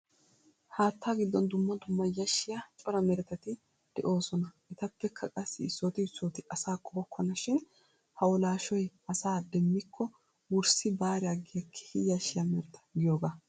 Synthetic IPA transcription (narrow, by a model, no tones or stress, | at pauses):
haːt̪ːaːɡɪd̪ːɔnd̪ʊmːɐd̪ʊmːɐjɐʃːɪjat͡ʃʼɔɾɐmɛɾɛt̪ɐt̪ɪ | d̪̥ɛ̰ʔo̞ːsɔnɐʔɛt̪ɐpːɛkʰɐkʼɐsːɪɪsːoːt̪ɪɪsːoːt̪ɪʔɐsaːkʼːɔbɔkʰːɔnɐʃɪn | hɐwɔlaːʃɔjɐsaːd̪ɛmːɪkʰːɔ | wʊɾsɪbaːɾɛjaɡɪjɐkʰːɛ̥hɪjɐʃːɪjamɛɾɛt̪ʰɐ̥ɡɪjoːɡa